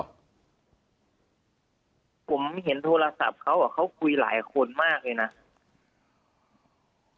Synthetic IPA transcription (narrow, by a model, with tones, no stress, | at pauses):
pʰo˨˩˦mɦe˩˦nt̪ʰoː˧la˧sa̰˨˩p̚kʰa˦˥wʔa˨˩kʰa˦˥˩wkʰu˧jla̰ː˩˦jkʰo˧nmaː˥˩k̚lɤː˧jna˦˥